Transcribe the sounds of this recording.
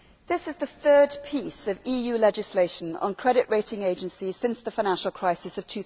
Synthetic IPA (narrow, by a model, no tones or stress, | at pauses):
ðɪsɪzðəθɜːd̚pʰiˑsəviːjʉːlɛd͡ʒɪsleɪʃə̃nə̰̃nkʰɹ̥ɛɾɪʔɹeɪtɪ̃ŋeɪd͡ʒə̃nsi̥sɪ̃nsðəfaɪñãnʃəlˠkʰɹ̥aɪsɪsəv̥tʰʉ